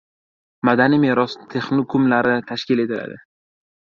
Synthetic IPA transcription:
mad̪animeɾɒst̪ʰe̞χnokʰʊmlaɾɪt̪ʰaʃkʲɪle̞t̪ʰɪla̰d̪ɪ

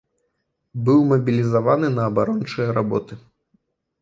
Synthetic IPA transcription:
bɨwmɐbʲilʲizavanɨnɐːbaɾɔnt͡ʂɐjɐɾabɔt̪ɨ

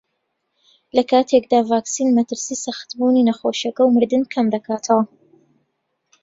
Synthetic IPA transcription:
lɐkaːt̪ʰekd̪aːvaːksiːnmɐt̪ɨɾsiːsaxt̪buːninɐxoːʃɐkɐwmɨɾd̪ɨnkʰɐmd̪ɐkʰaːt̪ʰɐwɐ

